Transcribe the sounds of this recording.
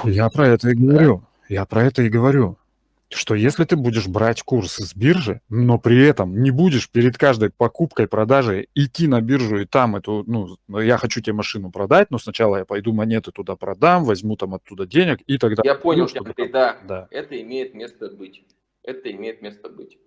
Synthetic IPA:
japɾɐɛt̪əɪɡəvɐɾʲu | japɾɐɛt̪əɪɡəvɐɾʲu | ʂt̪o̞jesʲlʲɪt̪ɨbudʲɪʂbɾatʲkurszbʲirʐɨno̞pɾʲɪɛt̪əmnʲɪbudʲɪʂpʲɪɾʲɪd̪kaʐd̪əjpɐkupkəjpɾɐd̪aʐɨjɪtʲːinɐbʲirʐʊɪt̪amɛt̪ʊnujaxɐt͡ɕutʲɪbʲemɐʂɨnʊpɾɐd̪at̚ʲno̞snɐt͡ɕalˠəjapɐjd̪umɐnʲe̞t̪ɨt̪ʊd̪apɾɐd̪amvɐzʲmut̪amɐt̪ːud̪ədʲenʲɪkit̪ɐɡd̪ajaponʲɪlˠt̪od̪ad̪aɛt̪əɪmʲejɪt̪̚mʲest̪əbɨtʲ | ɛt̪əɪmʲejɪt̪mʲe̞st̪əbɨtʲ

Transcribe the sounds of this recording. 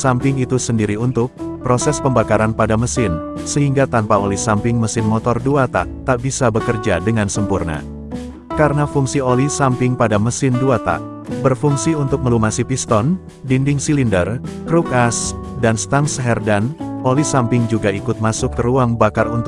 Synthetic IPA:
sampɪŋit̪usəndiɾiunt̪ʊk̚pɾosɛspəmbakaɾanpadaməsɪnsəɦiŋɡat̪anpaolisampɪŋməsɪnmɔt̪ɔrduat̪a̰ʔt̪aʔbisabəkərd͡ʒadəŋansəmpurna̰ | kaɾənafuŋsiolisampɪŋpadaməsɪnduat̪a̰ʔ | bərfuŋsiunt̪ʊk̚məlumasipist̪ɔn | dindɪŋsilindərkɾukasdanst̪aŋsɦɛrdanolisampɪŋd͡ʒuɡaikʊt̪̚masʊk̚kəɾuaŋbakarṵnt̪

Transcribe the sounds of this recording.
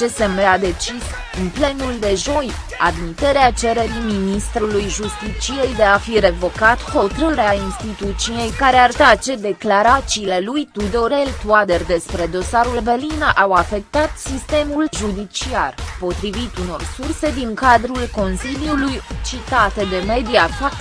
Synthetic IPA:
t͡ʃe̞semead̪e̞t͡ʃis | ɨnple̞nuld̪e̞ʒo̞j | ad̪mit̪e̞ɾeat͡ʃe̞ɾe̞ɾiminist̪ɾulujʒust̪it͡ʃije̞jd̪e̞afiɾe̞vo̞kat̪ho̞t̪ɾəɾeainst̪it̪ut̪sije̞jkaɾe̞art̪at͡ʃe̞d̪e̞klaɾat̪siːle̞lujt̪ud̪o̞ɾe̞lt̪uad̪e̞rd̪e̞spɾe̞d̪o̞saɾulberlinaʔawafe̞k̚t̪at̪sist̪e̞mulʒud̪it͡ʃiarpo̞t̪ɾivit̪uno̞̰rsurse̞d̪iŋkad̪ɾulko̞nsiljulujt͡ʃit̪at̪ed̪e̞me̞d̪iafak̪

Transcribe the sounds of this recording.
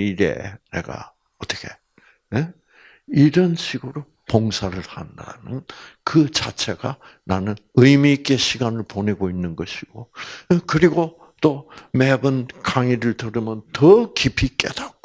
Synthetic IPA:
iɾe̞̰nḛɡa̰ | ʌt͈ʌ̥kʰe̞̥ | e | iɾʌnɕʰiɡɯɾo | poŋsʰaɾɯɭhanda̰nɯnkɯt͡ɕat͡ɕʰe̞ɡa | nanɯnɯjmiːk͈eɕʰiɡanɯɭponeɡoinːɯnɡʌɕʰiɡ̥okɯɾiɡo | t̪͈omebɯnkaŋiɾɯɭtɯɾɯmjʌntʌkipʰik͈ḛd̥̪ak͈o

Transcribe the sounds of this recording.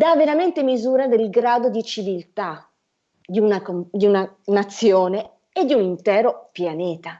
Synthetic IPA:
d̪avːeɾament̪emizuːɾad̪elɡɾaːd̪od̪it͡ʃivilt̪a | d̪iunakod̪iunanat̪sːjoːne | ed̪ːiunint̪ɛːɾopjanɛːt̪a

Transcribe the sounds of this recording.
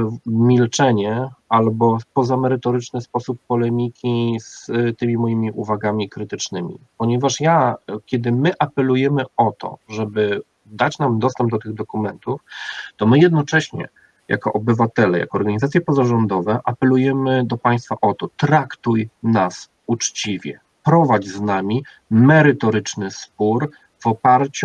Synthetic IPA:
mʲilt͡ʂɛɲɛalbɔpɔzamɛɾɘt̪ɔɾɘt͡ʂnɘspɔsupːɔlɛmʲikʲist̪ɘmʲimɔjimʲiʔuvaɡamʲikɾɘt̪ɘt͡ʂnɘmʲḭpɔɲɛvaʂjakʲjɛd̪ɘmɘʔapɛlujɛmɘɔt̪ʰɔ̰ʐɛbɘ | d̪at͡ɕnamd̪ɔst̪ɛmb̚d̪ɔt̪ɘɣd̪ɔkumɛnt̪uft̪ɔmɘjɛd̪̚nɔt͡ʂɛɕɲɛ̰ | ja̰kɔʔɔbɘvat̪ɛlɛja̰kɔːɾɡaɲizat̪sʲjɛpɔzaʐɔnd̪ɔvɛʔapɛlujɛmɘd̪ɔpaj̃st̪faʔɔt̪ɔt̪ɾakt̪ujnas | ut͡ʂt͡ɕivʲjɛ̰ | pɾɔvad͡ʑznamʲi | mɛɾɘt̪ɔɾɘt͡ʂnɘspuɾ | vɔpaɾt͡ɕu

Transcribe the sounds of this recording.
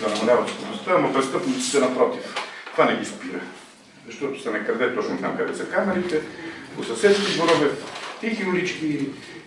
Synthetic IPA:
d̪ɐnɐmɐlʲavɐt̪st̪onost̪aɐmɐpɾɛst̪ɤpnit̪si̥t̪ɛnɐpɾɔt̪ift̪vanɛɡispiɾə | zɐʃt̪ɔt̪ʊ̥sɛnɛkɐɾd̪ɛt̪ɔt͡ʃnʊznamkɐd̪ɛsɐkamɛɾit̪ɛkosɐsɛt̪skiɡoɾɔvɛt̪ixiʊlit͡ʃki

